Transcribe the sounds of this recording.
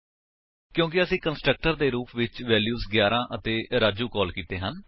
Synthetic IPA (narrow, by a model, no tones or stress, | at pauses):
kjõːk̬ɪəsĩːkənsʈɾək̚ʈəɾd̪eːɾuːpʰʋɪt͡ʃʋɛːljuːsɡjaːɾãːʔət̪eːɾaːd͡ʒuːkɔːlkiːt̪eːɦən